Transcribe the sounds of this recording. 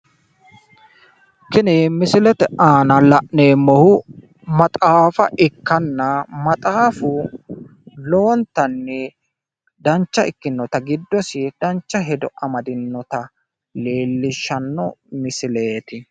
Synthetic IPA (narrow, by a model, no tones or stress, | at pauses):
kɪnɪmɪsɪlɛt̪ɛʔaːnɐlɐʔneːmːɔhʊ | mɐt̪ʼaːfɐʔɪkːɐnːɐmɐt̪ʼaːfʊ | lo̞ːnt̪ːɐnːɛ | d̪ɐnt͡ʃːɐɪkːɪnːɔt̪ɐɡɪd̪ːɔsɪd̪̥ɐnt͡ʃːɐɦɛd̪ɔʔɐmɐd̪ɪnːɔt̪ɐ | leːlːɪʃːɐnːɔmɪsɪle̞ːt̪ɪ